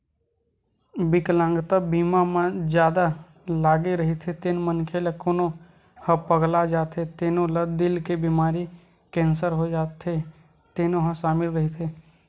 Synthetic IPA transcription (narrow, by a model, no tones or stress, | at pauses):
bɪklãŋɡt̪əbiːmamə̃d͡ʒjaːd̪a | laːɡeɾəɦit̪ʰet̪enmənkʰeləkoːnõ | həpəɡlad͡ʒaːt̪ʰet̪eːnõləd̪ɪlkebimaːɾi | kɛ̃ːnsəɾɦod͡ʒaːt̪ʰe | t̪eːnõɦə̃ʃaːmɪlɾəɦit̪ʰeː